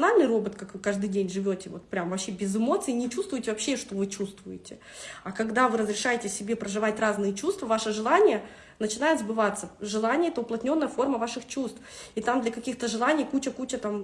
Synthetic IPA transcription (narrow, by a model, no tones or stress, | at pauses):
nalʲnɨjro̞bət̪kakvɨkaʐd̪ɨjdʲenʲʐɨvʲotʲɪvo̞t̪pɾʲamvɐpɕːebʲɪzɨmo̞t̪sɨinʲɪt͡ɕust̪vʊjtʲɪvɐpɕːe̞ʂt̪o̞vɨt͡ɕust̪vʊjɪtʲɪ | akɐɡd̪avɨɾəzɾʲɪʂajɪtʲɪsʲɪbʲe̞pɾəʐɨvatʲraznɨjət͡ɕust̪vəvaʂɨʐɨlˠanʲɪjə | nət͡ɕɪnajɪt̪zbɨvat̪səʐɨlˠanʲɪjəɛt̪əʊplˠɐtʲnʲo̞nːəjəfo̞rməvaʂɨxt͡ɕust̪fit̪amd̪lʲɐkɐkʲixt̪əʐɨlˠanʲɪijkut͡ɕəkut͡ɕət̪am